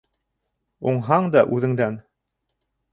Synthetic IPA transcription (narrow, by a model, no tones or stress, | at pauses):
uɴɦɑɴd̪ɑʔʉðɘ̆ŋd̪æn